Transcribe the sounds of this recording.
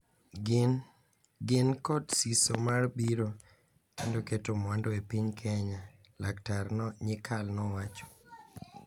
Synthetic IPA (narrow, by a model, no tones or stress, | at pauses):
ɡn | ɡɪnkɔdsisomarbiɾo | kendoketomwandoepiɲkʰɛɲa | laktarnɔɲɪkʰalnɔwat͡ʃɔ̥